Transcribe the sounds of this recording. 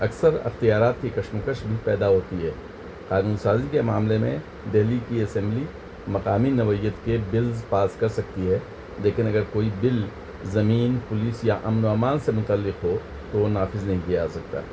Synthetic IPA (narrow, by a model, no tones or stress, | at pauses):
ɐksəɾɐ̰xt̪ijaːɾaːt̪kikɐʃmʊkəʃbʱipɛːd̪aɦoːt̪iɦɛː | qaːnũːnsaːzikemaːmlemḛ̃ | d̪ɛɦlikiɐsɛ̃mbli | mɐqaːminɐʋəɪjət̪kebɪlzpaːskɐɾsɐk̚t̪iɦɛː | leːkɪnɐɡəɾkoːibɪl | zɐmiːnpʊliːsjaʔɐmnaːmaːnsemʊt̪əlːɪqɦo | t̪onaːfɪznɐɦĩkijasɐk̚t̪a̰ː